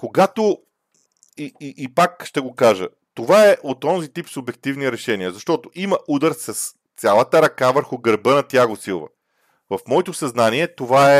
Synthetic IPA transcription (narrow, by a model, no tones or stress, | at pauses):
koɡat̪o | iiʔːpakʃt̪ɛɡokaʒə̰ | t̪ovaɛʔot̪ɔnzit̪ipsʊbɛk̚t̪ivniɾɛʃɛniəzɐʃt̪ɔt̪oʔimɐʔud̪əɾsɐs | t̪sʲjalˠət̪əɾɐkavəɾxʊɡəɾbənɐt̪jaɡosilˠvə̰ | vɐfmɔɛt̪ʊsɐznaniɛt̪ovaɛ